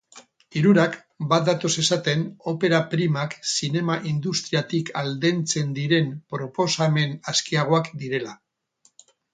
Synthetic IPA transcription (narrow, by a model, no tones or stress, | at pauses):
iɾuɾak | bat̪̚d̪at̪o̞se̞sat̪e̞no̞pe̞ɾapɾimaksine̞maʔind̪ust̪ɾiat̪ikʰald̪e̞nt͡se̞nd̪iɾe̞mpɾo̞po̞same̞naskiaɣ̞o̞akd̪iɾe̞la